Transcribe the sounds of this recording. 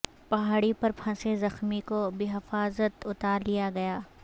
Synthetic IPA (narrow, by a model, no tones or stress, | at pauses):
pɐɦaːɽipɐɾpʰɐ̃sezɐxmikobiɦɪfaːzət̪ʊt̪aːɾlijaɡɐjaː